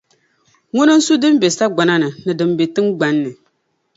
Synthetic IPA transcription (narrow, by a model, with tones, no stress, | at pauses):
ŋʊ˦nɨ˦n̩˦su˦dɨ˦m˦be˨sa˦ɡ͡ba˨na˦nɨ˨nɨ˨dɨ˨mbe˨tɨ˦ŋ˦ɡ͡ba˨˦nːɨ˨